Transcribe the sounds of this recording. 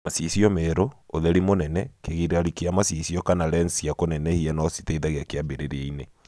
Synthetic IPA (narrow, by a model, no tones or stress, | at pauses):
masisiɔmɛɾooðɛɾimonɛnɛkeɣiɾeaɾikiamasisiɔkanaɾɛnsiakonɛnɛhiɛnɔsi̥teiðaɣeakeabeɾeɾeeine